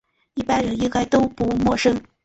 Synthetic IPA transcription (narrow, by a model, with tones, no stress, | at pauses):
i˥˩pa˥˧ɪɻə˨˩ni˥ka˥˩ɪt̪o˥ʊpu˧˥mwɔ˥˧ʂɤ˥ŋ